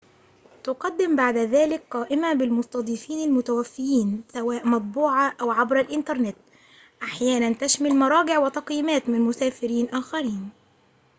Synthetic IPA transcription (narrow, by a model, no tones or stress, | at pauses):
t̪ʊqɑd̪ːɪmbaʕd̪aðaːlɪkqɑːʔɪmabɪlmʊsˤt̪ɑd̪ˤifiːnalmʊt̪awafːɪjiːnsawaːʔmɑt̪̚ˤbuːʕaʔawʕabɾalʔɪnt̪ɑɾˤnɪt̪ | ʔaħjaːnant̪aʃmalmɑɾˤɑːɡɪʕwɪt̪ɑqjiːmaːt̪mɪnmʊsaːfɪɾiːnʔaːxaɾiːn